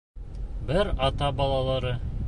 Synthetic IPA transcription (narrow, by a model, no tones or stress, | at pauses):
bɘɾɑt̪ɑbɑlˠɑlˠɑɾɤ